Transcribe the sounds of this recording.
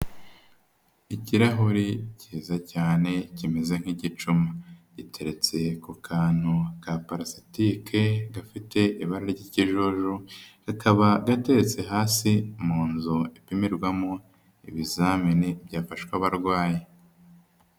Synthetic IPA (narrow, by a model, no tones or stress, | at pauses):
iciɾaɦuɾiciːzacaːne̞cimezeŋ̥hiɟit͡ʃumaɟitʰe̞ɾe̞t͡se̞kukʰaːn̥hukapaɾasi̥tikʰe̞ɡafite̞iβaɾaɾɟiːciʒuʒuɡ̥akʰaβaɡate̞ɾet͡se̞ɦaːsimuːnzuipimiɾɡwamo | ḭβizaminebjaːfaʃkwaβaɾɡwaːje